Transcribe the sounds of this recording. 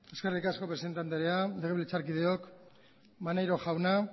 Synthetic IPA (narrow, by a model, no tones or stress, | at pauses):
e̞skerikasko̞pɾe̞se̞nt̪ant̪eɾeale̞ɣeβlet͡saɾkið̞eok | manajɾo̞ʝawna